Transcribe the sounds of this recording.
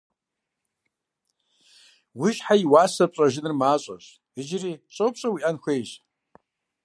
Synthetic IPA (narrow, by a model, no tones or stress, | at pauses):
wiʃħaiwaːsɐpʷʼaʒɪnɨrmaːt͡ʃʷʼa̰ʒ | ɨd͡ʒrit͡ʃʼopʰʼɕʷʼawiʔanxʷejʒ